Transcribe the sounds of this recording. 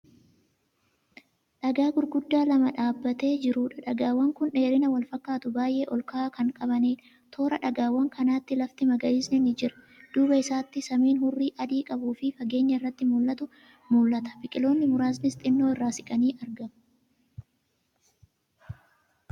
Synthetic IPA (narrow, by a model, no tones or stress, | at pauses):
ᶑɐɡaːɡʊɾɡʊd̪ːaːlɐmɐᶑaːbːɐt̪e̞ːd͡ʒɪɾuːᶑɐᶑɐɡaːwːɐŋkʊnᶑe̞ːɾɪnɐwɐlfɐkːaːt̪ʊbaːjʔe̞ːʔɔlkɐaːkɐŋkʼɐbɐneː | t̪ʰo̞ːɾɐᶑɐɡaːwːɐŋkʰɐnaːt̪ːɪlɐft̪ɪmɐɡɐɪsnɛnɪd͡ʒɪɾɐ̥ | d̪̥uːbɐɪsaːt̪ːɪsɐmiːnhʊrːiːʔɐd̪iːkʼɐbuːfɪfɐɡe̞ːɲːɐɪrːɐt̪ːɪmulːɐt̪ʊ | mulːɐt̪ɐ̥bɪkʼɪlo̞ːnːɪmʊɾaːznɪst̪ʼɪnːo̞ːɪrːaːsɪkʼɐniːʔɐɾɡɐm